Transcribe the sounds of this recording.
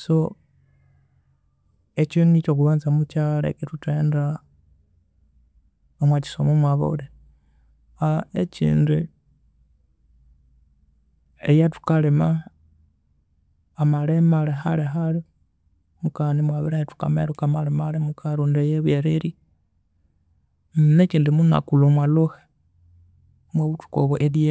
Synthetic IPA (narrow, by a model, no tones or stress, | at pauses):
so | et͡ʃinunicok̬uβaːnzamut͡ʃalḛkituteːnda | omwaci̥somumwaβo̰ule | aecḭːndu | ejatu̥kalema | malemaleɦaleɦale | mukanimwaβiɾajetu̥ka̰mḛɾukamalemalemukʰaɾuːndejeβweɾeɾi | net͡ʃiːndimuna̰kulomwaloxe̥ | mwaβutu̥koβoʔeɾje